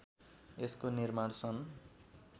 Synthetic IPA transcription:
eskonirmaɽsʰʌn

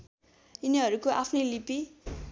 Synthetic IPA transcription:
iniɦʌɾukoʔapʰnʌjlipi

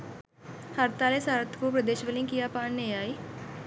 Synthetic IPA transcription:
həɾt̪aleːsaːɾət̪ʰkupɾəd̪eːʃʋəlɪ̃ŋkijapaːɳneaːiː

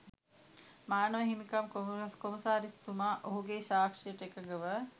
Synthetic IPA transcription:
maːnəʋəɦimikamkoskoməsaːɾist̪umaʔoɦuɡeʃaːkʂijəʈəekəɡəʋə

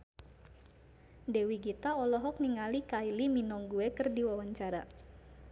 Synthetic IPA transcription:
dewiɡit̪aɔlɔɦɔk̚niŋalikailiminɔŋɡuekɨrdiwawaɲt͡ʃaɾa

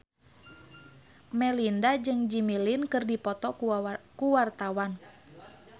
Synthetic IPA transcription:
mɛlindad͡ʒɨŋd͡ʒimilinkɨrdipɔt̪ɔkuwart̪awan

